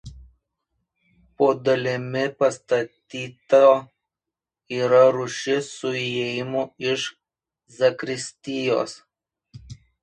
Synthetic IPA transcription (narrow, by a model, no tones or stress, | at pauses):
poːd̪ɐlʲɪmʲɪpɐst̪ɐt̪ʲiːt̪o | iːɾɐɾʊʃʲɪsʊejɪmʊɪʃ | zɐkɾʲɪsʲt̪ʲɪjo̰ːs